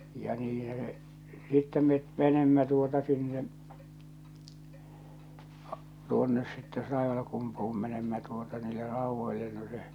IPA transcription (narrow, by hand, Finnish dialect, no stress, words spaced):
jɑ niːn̞hæ se sitːɛ met menemːæ tuotɑ sinːe tuonːes sitːe tɑiʋɑlkumpuh̆um menemːæ tuotɑ niːlːe rɑuʋːoilːe no se